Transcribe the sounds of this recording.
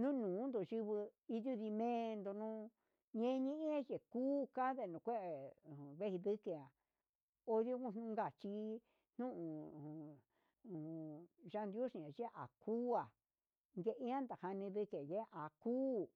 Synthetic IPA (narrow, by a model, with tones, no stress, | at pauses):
nũ˦nũː˨˦nd̪o˨ʒi˧βɨ˧i˧ðju˦ði˧mẽː˦˧nd̪o˧nũ˦˧˦ | ɲẽ˦˧ɲĩ˦ʔĩ˦a˦je˨kuː˦ka˦ðe˧˨nũ˨˧kʷe˦ʔẽ˨βe˦hi˧ðɨ˦ke˧˨a˨ | o˧ðjo˧kũ˧˨n̥ũ˦˧ŋɡa˧˨t͡ʃi˧ | n̥nũ˦ʔũ˧˨ | ʒa˧nd̪jo˦ʂĩ˧ã˨ʒe˦ʔa˨kʰuː˦a˨ | ŋɡe˧ʔi˧˦ã˦nd̪a˨ha˧nĩ˧ðɨ˧ke˨je˦˧ʔa˨kuː˦